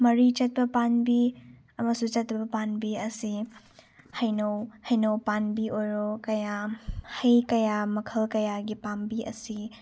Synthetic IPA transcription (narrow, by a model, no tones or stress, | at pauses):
mɐɾit͡ʃɐt̚pɐpanbi | ɐmɐsut͡ʃɐtbɐpanbiɐsi | hɐjnowhɐjnowpanbiʔojɾɔkɐjahɐjkɐjamɐkʰɐlkɐjaɡipambiɐ̰si